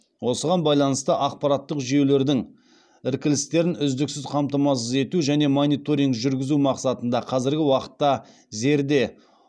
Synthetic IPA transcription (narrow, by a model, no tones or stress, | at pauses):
wo̞səʁɑnbɑjlˠɑnəst̪əʔɑq̚pɑɾɑt̪ːəqʒije̞wle̞ɾd̪ɪŋ | ɪɾkʲɪlɪst̪e̞ɾɪnʏzd̪ɪksɪzqʰɑmt̪ɑmɑs̬əze̞t̪uʒæne̞monijt̪o̞ɾijŋɡʒʏɾɡʲɪzumɑqsɑt̪ənd̪ɑqʰɑzɪɾɡʲɪwɑqə̥t̪ːɑ | ze̞ɾd̪e̞